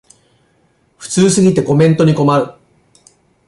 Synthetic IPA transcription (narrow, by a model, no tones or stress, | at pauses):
ɸɯ̟̥t͡sɨːsɨɡʲit̪e̞ko̞mẽ̞nt̪o̞ɲ̟iko̞maɾɯ̟